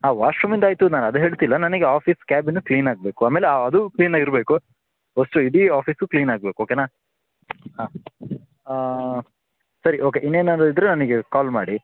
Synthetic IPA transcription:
ɦaːʋaːʂɾumind̪aːjt̪unaːnɐd̪eɦeːɭt̪ilːɐnɐnɐɡeaːpʰiːskaːbinːukliːnaːɡ̚beːkuaːmeːleaːɐd̪ukliːnaːɡiɾbe̞ːku | osʈuiɽiaːpʰiːsukliːnaːɡ̚beːkuoːkeːnaː | ɦaː | sɐɾiʔo̞ːkeʔinːeːnɐnid̪ɾenɐnɐɡekaːlma̰ːɽi

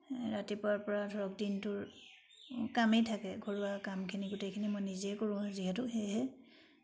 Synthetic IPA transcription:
ɹatipʊaɹpɔɹadʱɔɹɔkdintʊɹ | kamejtʰakɛɡʱoɹuakamkʰiniɡʊtejkʰinimojniziɛkoɹʊ̃aziɦɛtʊxejɦɛ

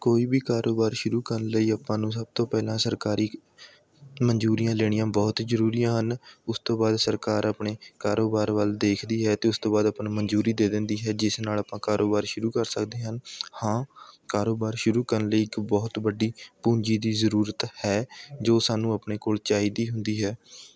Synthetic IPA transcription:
koːiːbiːkaːɾʔoːbaːɾʃʊɾuːkəɾənləiːapãːnũːsəb̚t̪õːpɛːlãːsəɾkaːɾiː | məɲd͡ʒuːɾijãːleːɽ̃ijãːbɔːt̪zəɾuːɾijãːɦənʊst̪õːbaːd̪səɾkaːɾaːpɳeːkaːɾoːbaːɾʋəld̪eːkʰd̪iːɦɛːt̪eːʊst̪oːbaːd̪aːpnːməɲd͡ʒuːɾiːd̪eːd̪ɪ̃nd̪iːɦɛːd͡ʒɪsnaːlaːpãːkaːɾoːbaːɾʃʊɾuːkəɾsəkd̪eːɦənhãːkaːɾoːbaːɾʃʊɾuːkəɾənləiːɪkbɔːt̪bəɖiːpũːɲd͡ʒiːd̪iːzəɾuːɾət̪hɛːd͡ʒoːsaːnũːapɳeːkoːlt͡ʃaːiːd̪iːɦʊnd̪iːɦɛː

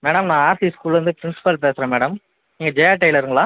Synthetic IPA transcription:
meːɽɐmnãːaːɾsiskuːlʋɐnd̪ɯpɪɾɪnsɪ̥pɐlpeːsɐɾẽːmeːɽɐm | iːŋɡɐd͡ʒɛjaːʈɐɪlɐɾɯŋɡɐɭãː

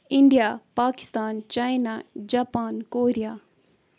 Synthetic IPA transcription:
ɪ̃ɳɖijapaːkɪ̥st̪aːnt͡ɕaːjnad͡ʑaːpaːnkoːɾija

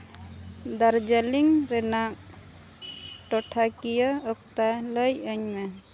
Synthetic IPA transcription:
d̪aɾd͡ʒaliŋɾɛnak̚ | ʈɔʈʰakijaɔk̚t̪aləjəɲmɛ

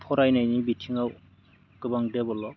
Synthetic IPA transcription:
pʰɔɾajnajnibitʰiŋaw | kɯbaŋdebɔlɔ

